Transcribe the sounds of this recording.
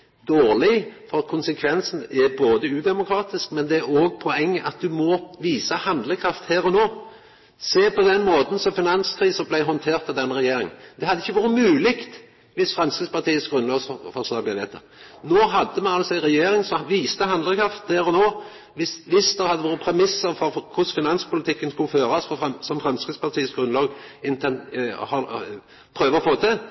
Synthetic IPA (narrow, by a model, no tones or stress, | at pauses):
d̪oːʁlɪfɔɾɑkʰʊnsəkʰʋɛnsn̩ɛboːd̪əʉːd̪ɛmʊkʰɾɑːt̪ɪskmɛnd̪ɛæɾoːɡpʰɔɛŋːəʔɑt̪̚d̪ʉmɔʋiːsəhɑnd̪ləkʰɾɑft̪hæːɾɔnoː | seːpʰɔd̪ɛnːmoːt̪n̩sɔfɪnɑnskʰɾiːsəblæɪɦɔnt̪ʰeːʁt̪ːɑd̪ɛnːɾɛjeːɾɪŋən̩d̪ɛhɑd̪ːəɪçːəʋuːɾət̪mʉːlɪkt̪ | ʋɪsfɾɛmskʁɪspɑt̪ʰiːəsɡʁʉnlɑːɡsfɔʁsɑːb̪æʋeːt̪ʰə̰ | noːɦɑd̪ːəmɛnɑlsɔæɪʁɛjeːɾɪŋsɔʋiːst̪əɦɑnd̪ləkʰɾɑft̪̚d̪æɾɔnoː | ʋɪʋɪsd̪ɛʁhɑd̪ːəʋoːɾəpʰɾɛmɪsːəɾfɔɾkʰʊsfɪnɑnspʊlɪt̪ʰɪkːənskʉlːəføːɾɑsfɔsɔmfɾɛmskɾɪspɑʁt̪ʰiːəsɡɾʉnlɑːɡɪnt̪ʰɛnhɑ | pʰɾøːʋəʁɔfoːt̪ʰɪl